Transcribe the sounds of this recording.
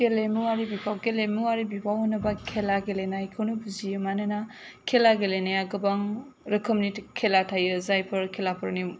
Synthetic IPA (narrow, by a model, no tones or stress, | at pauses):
kelemuwaɾibipʰawɡelemuaɾibipʰawhɔnːɐbakʰelaɡelenajkʰɯwnubuzijɯmanɯna | kʰelaɡelenajaɡɯbaŋ | ɾɐkʰəmnitkʰelatʰajɯzajpʰɯɾkʰelapʰɯɾni